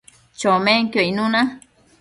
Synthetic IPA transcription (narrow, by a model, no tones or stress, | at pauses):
t͡ʃomeŋkjoinuna